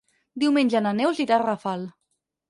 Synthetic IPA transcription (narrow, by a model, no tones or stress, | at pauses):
d̪iwmenʲʒananewziɾarafalˠ